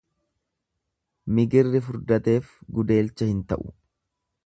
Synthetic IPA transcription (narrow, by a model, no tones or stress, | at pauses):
mɪɡɪrːɪfʊɾd̪ɐt̪e̞ːfɡʊd̪e̞ːlt͡ʃːɐhɪnt̪ɐʔʊ̥̰